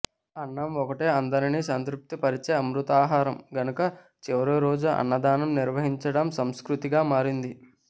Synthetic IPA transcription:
ɐnːɐmɔkɐʈeːɐnd̪ɐɾiniːsɐnt̪ɾup̚t̪ipɐɾit͡ʃeːɐmɾut̪aːɦaːɾɐmɡɐnukɐ | t͡ʃiʋɐɾuɾoːd͡ʒuʔɐ̰nːɐd̪aːnɐmniɾʋɐɦiɲt͡ʃɐɽɐmsɐmskɾut̪iɡaːmaːɾind̪i

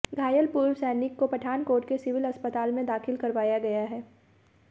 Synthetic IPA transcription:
ɡʱaːjəlpuːɾʋsɛːnɪkːopɐʈʰaːnkoːɾʈkesɪʋɪlɐspət̪aːlmẽd̪aːxɪlkɐɾʋaːjaɡɐjaɦɛː

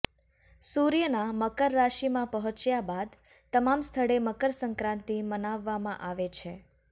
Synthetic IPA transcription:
suɾjənaməkəɾːaʃimãpəɦɔ̃t͡ʃjabad̪ | t̪əmamst̪ʰəɽeməkəɾsəŋkɾãnt̪imənaʋːamãʔaʋet͡ʃʰe

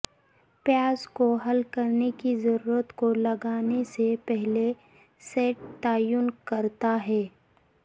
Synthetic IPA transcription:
pjaːzkoɦɐlkɐɾnekizɐɾuːɾət̪kolɐɡaːnesepɛɦle | seːʈt̪aːjʊnkɐɾt̪aɦɛː

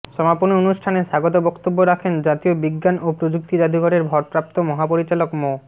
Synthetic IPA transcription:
ʃɔmaponionuʃʈʰaneʃaɡot̪̬obɔkt̪obːoɾakʰend͡ʑat̪iobiɡːanopɾod͡ʑuk̚t̪id͡ʑad̪iɡʱɔʈeɾbʱɔɾpɾap̚t̪omɔɦapoɾit͡ɕalokmo

